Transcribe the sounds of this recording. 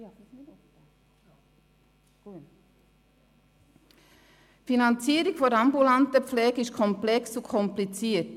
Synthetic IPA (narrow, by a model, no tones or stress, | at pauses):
finɑnt͡siːəɾɪkfɔɾɑmbulɑntəpp͡flɛːɡəɪʃkʰɔmplɛksukʰɔmplit͡siːət